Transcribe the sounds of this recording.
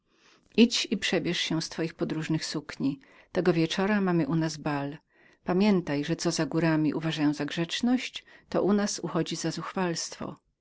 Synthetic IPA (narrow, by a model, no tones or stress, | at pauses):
ʔit͡ɕipʂɛbʲjɛʂɕɛ̃st̪fɔjixpɔd̪ɾuʐnɘxsukɲi | t̪ɛɡɔvʲjɛt͡ʂɔɾamamɘʔunazbal | pamʲjɛnt̪ajʐɛt̪sɔzaɡuɾamʲḭʔṵvaʐajɔ̃w̃zaɡʐɛt͡ʂnɔɕt͡ɕt̪ɔ̰ʔunasṵxɔd͡ʑizazuxfalst̪fɔ̰